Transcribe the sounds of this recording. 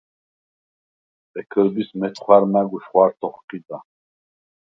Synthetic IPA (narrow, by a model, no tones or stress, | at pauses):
ɛkʰəɾbismɛt̪ʰχwaɾmaɡuʃχwaɾt̪ʰɔχqib̪a